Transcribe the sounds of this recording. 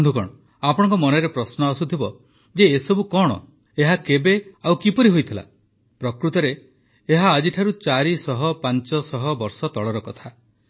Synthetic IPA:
d̪ʱukɔ̰ɽ̃ɔ | apɔɽ̃ɔ̃ŋkɔmɔneɾepɾɔsnɔːsut̪ʰibɔ | d͡ʒeːsɔbukɔɽ̃ɔ̰ | eɦakebeawkipɔɾiɦojt̪ʰila̰ | pɾɔkɾut̪ɔɾeː | ɦaːd͡ʒiʈʰaɾut͡ʃaɾisɔɦɔpant͡ʃɔsɔɦɔbɔɾsɔt̪ɔɭɔɾɔkɔt̪ʰa

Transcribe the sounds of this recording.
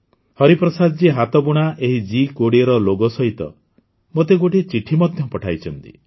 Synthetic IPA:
hɔɾipɾɔsad̪ɔd͡ʒiɦat̪ɔpuɽ̃aʔeɦid͡ʒikoɽiɔɾɔloɡɔsɔɦit̪ɔ̰ | mot̪̬eɡoʈet͡ʃiʈʰimɔd̪ʱjɔpɔʈʰajt͡ʃʰɔnt̪i̥̰

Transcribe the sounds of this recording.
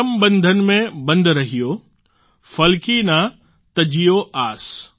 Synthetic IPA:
əmbɐ̃nd̪ʱənɪ̆mẽbɐ̃nd̪ʱɾɐɦijo | fɐlkina | t̪ɐd͡ʑijoʔaːs

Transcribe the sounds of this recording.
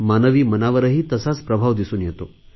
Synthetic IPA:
manəʋiːmənaʋəɾəɦiːt̪əsat͡spɾəbʱaʋd̪isuːnjet̪o

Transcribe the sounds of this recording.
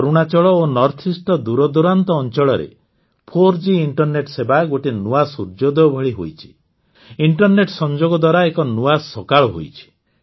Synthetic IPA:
ɔɾuɽ̃at͡ʃɔɭɔonɔɾt̪ʰisʈɔd̪uɾɔd̪uɾant̪ɔːnt͡ʃɔɭɔɾḛ | pʰoɾd͡ʒiiɳʈɔɾneʈsebaɡoʈinuasuɾd͡ʒɔd̪ebʱɔɭiɦo̰jt͡ʃʰi̥ | iɳʈɔɾneʈsɔnd͡ʒoɡɔd̪waɾaekɔnuasɔkaɭɔɦo̰jt͡ʃʰi̥

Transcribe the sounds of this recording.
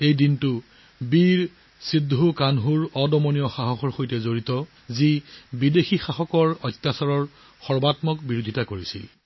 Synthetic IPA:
ejdintʊ | biɹ | sidʱːukanɦuɹɔdɔmonijɔxaxɔxɔɹxojtɛzoɹitɔ | zibidexixaxɔkɔɹɔt̪ːasɔɹɔɹ | xɔɹbatmɔkbiɹodʱitakoɹisḭl

